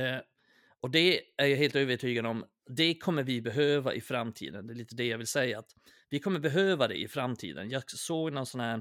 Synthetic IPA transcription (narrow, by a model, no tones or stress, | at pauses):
ɔd̪ɛæɾjɑɦeːlt̪øːvəʈʰyːɡad̪əɔm | d̪ɛkʰɔmːəɾvɪbɛɦøːva̰ʔɪfɾamːt̪ʰḭːd̪ənd̪ɛːliːt̪əd̪ɛjɑːɡvɪlsɛjːaːt̪ | vɪkʰɔmːəɾbɛɦøːvad̪ɛ̰ʔɪfɾamːt̪ʰḭːd̪ə̰njɑːɡsoːɡnɔnsɔnhæːɾ